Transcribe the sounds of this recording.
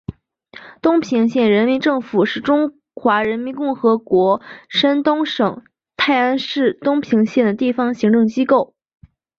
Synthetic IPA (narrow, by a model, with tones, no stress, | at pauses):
t̪ʊ˥ŋpʰi˧˥ŋɕjɛ˥˩nɻə˧˥nmi˧˥nʈ͡ʂɤ˥˩ŋfu˨˩ʂɻ̩˥˩ʈ͡ʂʊ˥ŋ | xwa˧˥ɻə˧˥nmi˧˥nkʊ˥˩ŋxɤ˧˥kwɔ˧˥ʂə˥nt̪ʊ˥ŋʂɤ˨˩˦ŋ | t̪ʰa˥˩ɪa˥nʂɻ̩˥˩t̪ʊ˥ŋpʰi˧˥ŋɕjɛ˥˩nd̪ə˩t̪i˥˩fɑ˧˥ŋɕi˧˥ŋʈ͡ʂɤ˥˩ŋt͡ɕi˥ko˥˩ʊ